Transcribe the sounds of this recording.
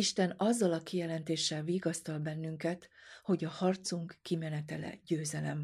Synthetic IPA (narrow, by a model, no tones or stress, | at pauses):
iʃt̪ɛnɒzːɒlɒkijɛlɛnt̪eːʃːɛlviːɡɒst̪ɒlbɛnːyŋkɛt̪ho̞ɟɒhɒrt̪suŋkːimɛnɛt̪ɛlɛ̰ɟøːzɛlɛ̰m